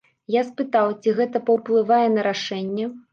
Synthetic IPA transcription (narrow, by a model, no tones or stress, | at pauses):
jaspɨt̪awt͡sʲiɣɛt̪ɐpɐwplˠɨvajɛnɐɾaʂɛnʲːɛ